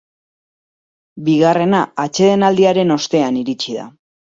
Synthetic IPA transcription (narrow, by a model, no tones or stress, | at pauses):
biɣare̞naat͡ʃe̞ð̞e̞nald̪iaɾe̞no̞st̪e̞aniɾit͡ʃiða̰